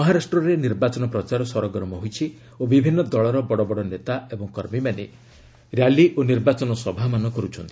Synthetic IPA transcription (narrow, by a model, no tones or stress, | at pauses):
mɔɦaɾasʈɾɔɾeniɾbat͡ʃɔnɔpɾɔt͡ʃaɾɔsɔɾɔɡɾɔmɔɦojt͡ʃʰi | obibʱinːɔd̪ɔɭɔɾɔbɔɽɔbɔɽɔnet̪aebɔŋkɔɾmimane | ɾjaliʔoniɾbat͡ʃɔnɔsɔbʱamanɔkɔɾut͡ʃʰɔnt̪ii̥